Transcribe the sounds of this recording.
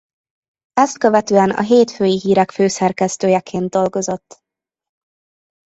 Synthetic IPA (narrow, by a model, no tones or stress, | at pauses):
ɛst̪̚køvɛt̪øːɛnɒ̰ɦeːt̪føːjiɦiːɾɛkføːsɛrkɛst̪øːjɛkʰeːnd̪d̪o̞lɡo̞zo̞t̪ː